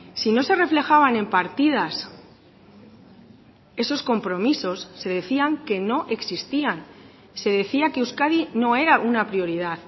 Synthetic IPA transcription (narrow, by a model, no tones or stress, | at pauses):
sino̞se̞re̞fle̞xaβane̞mpaɾt̪ið̞as | e̞so̞sko̞mpɾo̞miso̞sːe̞ðe̞θiaŋke̞no̞ʔe̞ksist̪ian | se̞ðe̞θiake̞uskaðino̞e̞ɾaʔunapɾjo̞ɾið̞aθ